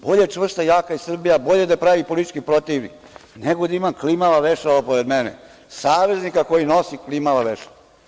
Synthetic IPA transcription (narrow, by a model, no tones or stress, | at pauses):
bo̞ʎet͡ʂʋr̩st̪ajaːkaisr̩bijabo̞ʎed̪apɾaʋipolit̪t͡ʃkipɾot̪iʋnḭk | neɡod̪aimaklimaʋaʋeʃaapoɾed̪menḛ | saːʋeznikakojinosiklimaʋaʋeʃaa